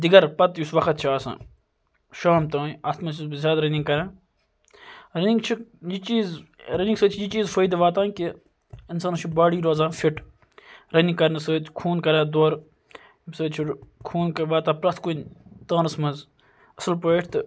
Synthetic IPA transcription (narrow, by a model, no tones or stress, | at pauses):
d̪iɡɐɾpɐt̪jusʋɐkʰɐt̪̚t͡ʃʰiaːsã̰ː | ʃaːmt̪aːaːst̪mɐ̃t͡ʃusbzʲjaːd̪ɾɐniŋɡkɐɾãː | ɾɐniŋɡt͡ʃʰijit͡ʃiːzɾɐniŋɡsəːt͡ʃʰijit͡ʃiːzfəjd̪iʋaːt̪ãːnki | insaːnt͡ʃʰibaːɽiːɾoːzãːfʰiʈ | ɾɐniŋkɐɾnɐsəːkʰuːnkɐɾãːd̪oːɾ | səːt͡ʃʰikʰuːnkɐʋaːt̪ãːpɾɐt̪ʰkunʲt̪ãːnɐsmɐnz | ɐsɨlpəʈʰt̪ɨ